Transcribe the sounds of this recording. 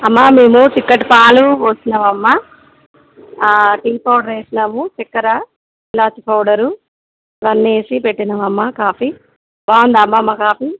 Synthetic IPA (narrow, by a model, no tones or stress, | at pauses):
ɐmːameːmut͡ʃikːɐʈpaːluoːsinɐmɐmːa | ʈiːpɐwɽɐɾeːsinɐmut͡ʃɛkːɐɾɐ | ilaːt͡ʃipɐwɽɐɾu | ɾɐnːeːsipeʈːinɐmɐmːakaːfi | baːnd̪ɐmːaɐmːakaːfi